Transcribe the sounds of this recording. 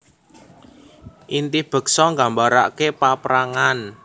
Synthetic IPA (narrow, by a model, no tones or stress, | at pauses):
ʔint̪ihb̥ə̤ksɔŋɡa̤mbaɾa̰kepapɾaŋan